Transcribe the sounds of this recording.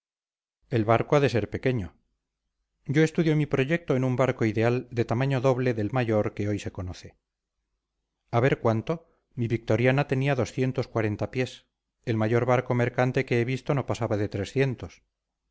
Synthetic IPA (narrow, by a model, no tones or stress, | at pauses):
e̞lβaɾkoaðese̞ɾpe̞ke̞ɲo̞ | ɟ͡ʝo̞est̪uðjomipɾo̞ʝe̞k̚t̪o̞enumbaɾko̞iðe̞ald̪e̞t̪amaɲo̞ðo̞βle̞ðe̞lmaʝo̞ɾke̞o̞jse̞ko̞noθe̞ | aβe̞ɾkwant̪o̞ | miβik̚t̪o̞ɾjanat̪e̞niaðo̞sθje̞nt̪oskwaɾe̞nt̪apje̞s | e̞lmaʝo̞ɾβaɾko̞me̞ɾkant̪e̞keeβ̞ist̪o̞no̞pasaβaðe̞t̪ɾe̞sθje̞nt̪o̞s